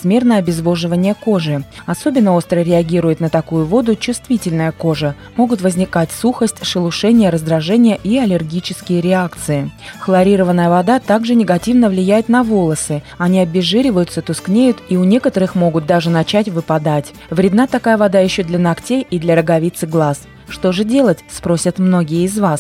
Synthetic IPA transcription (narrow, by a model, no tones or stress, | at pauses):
zmʲe̞rnəjəɐbʲɪzvo̞ʐɨvənʲɪjəko̞ʐɨɐso̞bʲɪnːəo̞st̪ɾəɾʲɪɐɡʲiɾʊjɪt̪nət̪ɐkujʊvo̞d̪ʊt͡ɕʊst̪vʲitʲɪlʲnəjəko̞ʐə | mo̞ɡʊt̪vəzʲnʲɪkatʲsuxəsʲtʲʂɨlˠʊʂɛnʲɪjəɾəzd̪ɾɐʐɛnʲɪjəʔiɐlʲɪrɡʲit͡ɕɪskʲɪjəɾʲɪakt̪sɨɪxlˠɐɾʲiɾəvənːəjəvɐd̪at̪aɡʐɨnʲɪɡɐtʲivnəvlʲɪjæjɪt̪nɐvo̞lˠəsɨ | ɐnʲiɐbʲɪʐɨɾʲɪvəjʊt̪sət̪ʊsknʲejʊt̪iʊnʲe̞kət̪əɾɨxmo̞ɡʊt̪̚d̪aʐɨnɐt͡ɕætʲvɨpɐd̪atʲ | vɾʲɪd̪nat̪ɐkajəvɐd̪ajɪɕːod̪lʲɐnɐktʲejid̪lʲəɾəɡɐvʲit̪sɨɡlˠas | ʂt̪o̞ʐɨdʲe̞lˠətʲspɾo̞sʲət̪mno̞ɡʲɪjəɪzvas